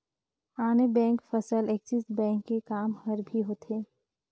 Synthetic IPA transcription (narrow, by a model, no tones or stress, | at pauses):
aːnebɛ̃ːŋkfɐsəleksisbɛ̃ːŋkːekaːmhɐɾbʱiɦoːt̪eː